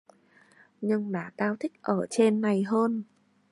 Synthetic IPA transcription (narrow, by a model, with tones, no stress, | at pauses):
ɲɨ˧ŋɗa̰ː˧˩t̪aː˧wt̪ʰï˦˥k̟̚ʔəː˧˩t͡ɕe˧nːa˨˩jɦəː˧n